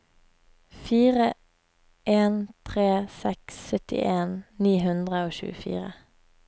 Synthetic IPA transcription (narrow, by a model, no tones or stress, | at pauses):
fiːʁə | ʔeːnt̪ʰʁeːsɛksːœt̪ɪ̰ʔeːnniːhʉnd̪ʁəoːʃʉ̰ːəfḭːʁə